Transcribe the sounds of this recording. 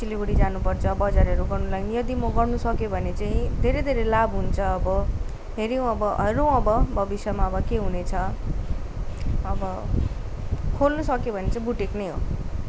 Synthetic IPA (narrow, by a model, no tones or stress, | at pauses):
silibuɽid͡zanupʌrt͡sʰʌbʌd͡zaɾʌɾuɡʌrnulaɡnijʌd̪imʌɡʌrnusʌkjobʱʌnet͡saĩd̪ʱeɾejd̪ʱeɾelabɦunt͡sʰʌːbʌ | ɦeɾiũʌbʌʔʌɾõʌbʌbʱʌbisjʌmaʌbʌkeɦunet͡sʰʌ | ʌbʌ | kʰolnusʌkjobʱʌnet͡saĩbuʈeknʌjɦo